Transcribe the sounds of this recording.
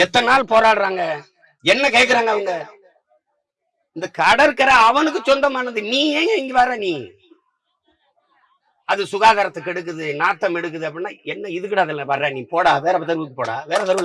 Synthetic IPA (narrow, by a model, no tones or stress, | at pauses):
ɛt̪ːɐnaːlpoːɾaːɽɯɾaːŋɡɐ | ɛnːɐkeːk̬ːɐɾaːŋɡɐʋɐŋɡɐ | ɪnd̪ɐkɐɽɐɾkːɐɾɐːʋɐnɯk̬ːɯt͡ʃɔnd̪ɐmaːnɐðɯniːeːeɪŋɡiʋɐːɾẽnĩː | ɐðɯsʊɣaːɣaɾɐt̪ːɐkɛɽɯk̬ːɯðɯnaːt̪ːɐmɛɽɯkːɯðɯɐp̬ːɐɽɪnːaːɛnːɐɪðɯk̬ːɪʈɐðɐlʋɐɾɾẽːnĩːpoːɽaːʋeːɾɐpɐt̪ɐɾɯʋɯkːɯpoːɽa̰ːʋeːɾɐt̪ɐɾʋɯl